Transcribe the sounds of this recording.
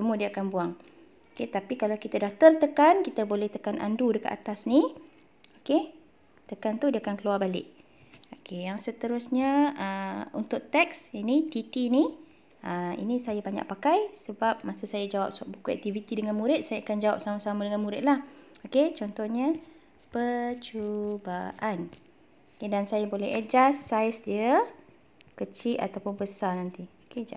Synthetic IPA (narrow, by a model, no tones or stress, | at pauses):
səmuadiaakanbuaŋ | oket̪apikalawkit̪adaht̪əlt̪əkankit̪abolɛht̪əkanʔa̰ndudəkə̰a̰t̪asni | oke | t̪əkant̪udiakankəluarbalɪ̰ʔ̚ | okejaŋsət̪əɾʊsɲəəṵnt̪ʊʔ̚t̪ɛksinit̪it̪ini | əḭnisajabaɲa̰ʔpakajsəbap̚masəsajad͡ʒawa̰p̚səaʔ̚bukuɛ̰k̚t̪ivit̪idəŋanmuɾɪt̪̚sajaakand͡ʒawap̚samasamadəŋanmuɾɪt̪̚lah | oket͡ʃɔnt̪ɔhɲə | pət͡ʃubaʔan | okedansajabolɛɦɛd͡ʒasajsdiə | kət͡ʃiʔa̰t̪awpʊnbəsarnant̪ioked͡ʒa